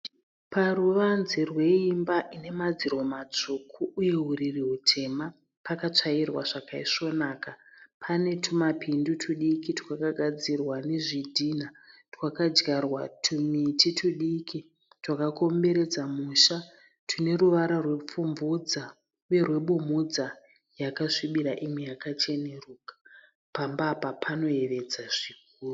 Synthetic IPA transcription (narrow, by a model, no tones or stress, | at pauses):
paruʋanzerwe̞imbaʔine̞mad͡ziro̞mat͡ʂukʰuʔuje̞ɦuririɦutʰe̞ma | pakat͡ʂairwaʐakaiʂo̞naːkapʰane̞tʰumapindutʰuɗikitwakaɡʱad͡zirwaneʐidʱinatwakad͡ʒɡarwa̰tʰumititʰuɗiki | twakako̞mbe̞ɾe̞d͡zamuʃa | tʰune̞ruʋaɾarwe̞p͡fumvud͡za | we̞rwe̞ɓumud͡za | jakaʂiɓiɾaʔimijakat͡ʃe̞ne̞ruːkḁ | pambapapʰano̞e̞ʋe̞d͡zaʐik̚ | uːru